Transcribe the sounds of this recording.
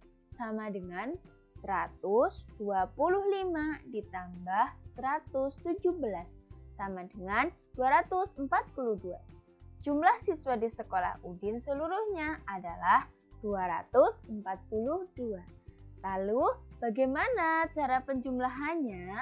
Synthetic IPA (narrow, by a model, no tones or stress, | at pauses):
samadəŋan | səɾat̪ʊsd̥uapulʊhlimadit̪ambahsəɾat̪ʊst̪ud͡ʒuhbəlasːamadəŋand̥uaɾat̪ʊsəmpat̪̚puluhdua̰ | d͡ʒumlahsiswadisəkola̰hʔudɪnsəluɾuhɲaada̰lah | d̥uaɾa̰t̪ʊsəmpat̪̚puluhd̥ualalub̥aɡajmanat͡ʃaɾapəɲd͡ʒumlaɦaɲa